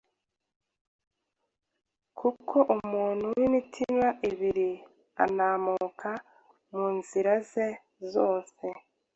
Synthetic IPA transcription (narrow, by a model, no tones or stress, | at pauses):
kʰukʰoʔumuːn̥huwinitʰinwaʔiβiɾi | a̰naːmukʰa | muːnziɾaze | zoːse̞